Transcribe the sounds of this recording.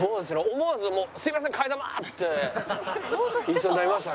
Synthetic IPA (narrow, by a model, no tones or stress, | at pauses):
oːd̪es̬ɨɾoomoβazɨmoːsɨimas̬ẽŋkʰaid̪ama̰t̪ːe | isond̪aɾimaɕt̪a